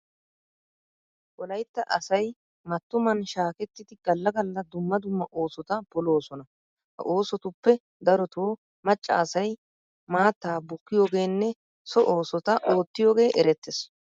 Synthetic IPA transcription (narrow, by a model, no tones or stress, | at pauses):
ʔɔlɐjt̪ːɐʔɐsɐj | mɐt̪ːʊmɐnʃaːkɛt̪ːɪd̪ɪɡ̥ɐlːɐɡɐlːɐd̪ʊmːɐd̪ʊmːɐʔo̞ːsɔt̪ɐbɔlo̞ːsɔnɐ | hɐ̰ʔoːsɔt̪ʊpːɛ | d̪ɐɾɔt̪oː | mɐt͡ʃʼːɐ̰ːsɐj | maːt̪ːaːbʊkːɪjo̞ːɡe̞ːnːɛ | sɔʔo̞ːsɔt̪ɐʔoːt̪ːɪjo̞ːɡe̞ːʔɛɾɛt̪ːɛs